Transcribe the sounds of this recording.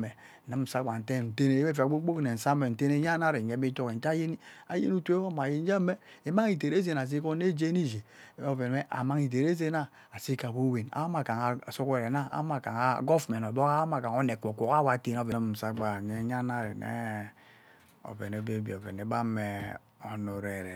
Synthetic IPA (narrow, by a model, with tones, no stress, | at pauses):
e˨ | nɨ˦m̩˦˨sa˦ɡ͡ba˨n̩˨te˦˨n̩˨te˦ne˨˦e˦fi˨a˨ɡ͡bo˦ɡ͡bo˦kne˨n̩˨sa˦me˨n̩˨te˦ne˦ɲa˦na˦ɾe˨ɲe˦bi˦to˦ke˨n˨˦a˦je˦ni˦a˨jḛ˦nu˦tʷe˦o˦ma˨je˦n̩˦d͡ʒa˦me˦e˨ma˦ŋi˨t̬e˨ɾe˦z̬e˨n˨a˨s̬i˦ko˦ne˦d͡ʒe˦ni˦d͡ʒe˨˦o˦˨ve˨e˦ʔa̰˨ma˦ŋi˨t̬e˨ɾe˦z̬e˦na˦ | a˨si˦ka˨ko˦we˨na̰˦ma˨ka˨ŋa˨su˦ke˨ɾe˨na˦a̰˦ma˨ka˨ŋa˦ɡo˦fmɛ˨n˨o˨bo˦a˦ma˨ka˨ŋo˦ne˨ko˨kʷo˨ka˦wa˨˦te˦n˦o˦ve˨n˦m̩˨sa˦ɡ͡ba˨ɲe˦ɲa˦na˦ɾe˨nḛ˦ | o̰˨ve˨ne˨be˦bi˨o˨ve˨ne˨ba˦me˨ | o˨nu˨ɾe˨ɾe˨